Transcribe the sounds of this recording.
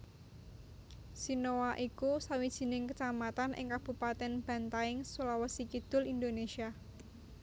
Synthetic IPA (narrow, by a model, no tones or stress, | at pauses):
sinowaʔikusawid̥ʒ̥i̤nɪŋkət͡ʃamat̪anʔɪ̰ŋkab̥ṳpat̪ɛnb̥a̤nt̪aɪŋsulawəsikid̪̥ʊ̤lind̪onesia